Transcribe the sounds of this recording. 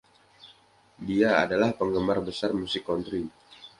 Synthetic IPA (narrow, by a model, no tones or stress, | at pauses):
diaa̰dalahpəŋɡəmarbəsarmusikɔnt̪ɾi